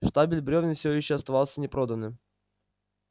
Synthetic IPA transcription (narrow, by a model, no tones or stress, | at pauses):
ʂt̪abʲɪlʲbɾʲovʲnʲɪfsʲvojɪɕːoɐst̪ɐvɑlˠsʲənʲɪpɾod̪ənːɨm